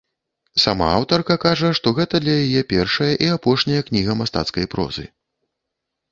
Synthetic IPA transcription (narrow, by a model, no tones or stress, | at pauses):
sama̰awt̪ɐrkɐkaʐɐʂt̪ɔɣɛt̪ɐd̪lʲɐjajɛpʲɛrʂɐjɐʔiapɔʂnʲɐjɐknʲiɣɐmast̪a̰t̪skɐjpɾɔ̰zɨ̰